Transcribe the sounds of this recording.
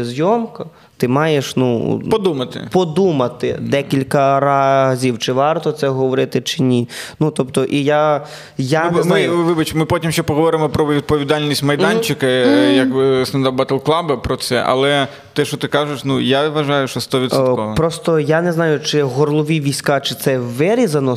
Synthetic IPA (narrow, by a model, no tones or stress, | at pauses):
zʲjɔmkɐ | t̪ɪmɑjeʃnṵpɔd̪umɐt̪ɪ̰pɔd̪umɐt̪ɪ̰d̪ɛkʲilʲkɐɾɑzʲiwt͡ʃɪʋɑrt̪ɔt̪sɛɦɔʋɔɾɪt̪ɪt͡ʃɪnʲinut̪ɔpt̪ɔʔija | janznmajʊʋɪbɐt͡ʃmɪpɔtʲimʃt͡ʃɛpɔɦɔʋɔɾɪmɔpɾɔʋʲid̪̚pɔʋʲid̪ɑlʲnʲisʲtʲmɐjd̪ɑnʲt͡ʃɪkɐjɐkkst̪ɐnd̪abɐt̪elˠklˠɑbɐpɾɔt̪sɛ̰ʔɐ̰lˠɛ | t̪ɛʃt͡ʃɔt̪ɪkɑʒɪʃnujaʋɐʒɑjʊʃt͡ʃɔst̪ɔʋʲit̪sɔkɔʋɐpɾɔst̪ɔjanɛznɑjʊt͡ʃɪɦɔrlˠɔʋʲiʋʲijsʲkɑt͡ʃɪt̪sɛʋɪɾʲizɐnɔ